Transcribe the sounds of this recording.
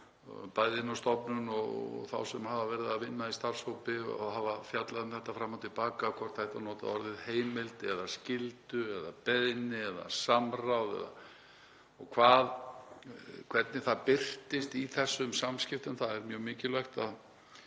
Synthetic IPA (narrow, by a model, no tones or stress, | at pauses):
pajðɪnawst̪ɔpnʏnɔɣ̰θa̰wsɛmhavavɛɾɪðaðvɪnːaist̪ar̥showpɪ̰ɔ̰ðɦavafjat̪laðɪnθɛht̪ːafɾamːawt̪ʰɪlpaːkakʰvɔɾ̥t̪hajht̪anɔːt̪a̰ðɔɾðɪðheːjmɪlt̪ɪɛðascɪlt̪ʏɛðapɛðnɪɛða̰samrawðɛ̰ða̰ | ɔɣkʰvaːð | kʰvɛt̪nɪθaðpɪr̥t̪ɪst̪iθɛsːʏmsamscɪft̪ʏmθaðɛɾmjœːmɪːcɪlœɥxt̪að